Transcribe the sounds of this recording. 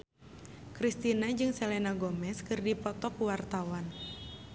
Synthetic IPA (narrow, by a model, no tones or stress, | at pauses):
kɾist̪inad͡ʒɨŋsɛlɛnaɡɔmɛskɨrdipɔt̪ɔkuwart̪awan